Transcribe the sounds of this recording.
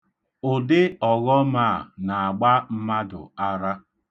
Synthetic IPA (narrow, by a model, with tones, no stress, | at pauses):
ʊ˨dɪ˦ɔ˨ɣɔ˦ma˦˨na˨a˨ɡ͡ba˦m̩˦ma˦dʊ̰˨a˦ɾa˦